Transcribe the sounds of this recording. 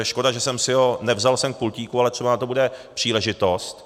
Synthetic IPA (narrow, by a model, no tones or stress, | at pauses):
ɛʃko̞daʒɛsɛmsɪɦo̞nɛvzalsɛmk̚pulciːkualɛt̪r̥ɛbanat̪obudɛpr̥iːlɛʒɪt̪ost̪